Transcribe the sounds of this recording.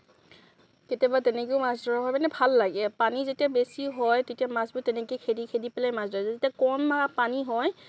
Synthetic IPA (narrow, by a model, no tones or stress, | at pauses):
ketabatɛnɛkeʊmasdɔɹaɦɔjmanɛbʱalːaɡɛpanizetiabesiɦɔjtetiamasbʊtɛnɛkekʰedikʰedipɛlajmasdɔɹazezetiakɔnmaapaniɦɔj